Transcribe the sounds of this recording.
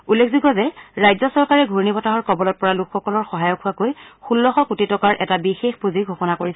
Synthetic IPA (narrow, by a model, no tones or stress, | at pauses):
ulːekʰziɡɔzɛɹajzɔsɔɹkaɹɛɡʱuɹnibɔtaɦɔɹkɔbɔlɔt̚pɔɹalukʰːɔkɔlɔɹxɔɦajɔkʰuakojxulːɔxɔkutitɔkaɹʔɛtabixexpuziɡʱuxɔnakoɹisɛ